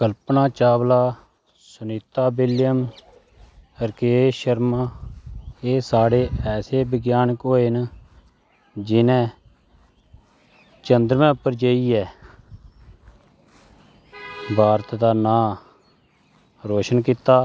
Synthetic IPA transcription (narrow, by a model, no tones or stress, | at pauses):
kəlpnãːt͡ʃaːblaː | sʊniːt̪aːbɪlɪjəm | əɾkeːʃəɾmãː | eːsaːɽeːɛːseːbəɡjaːnkɦoːeːn | d͡ʒɪnɛ̃ː | t͡ʃənd̪ɾmɛ̃ːʊpːəɾd͡ʒeːiːɛː | bʱaːɾt̪d̪aːnãː | ɾoːʃənkiːt̪aː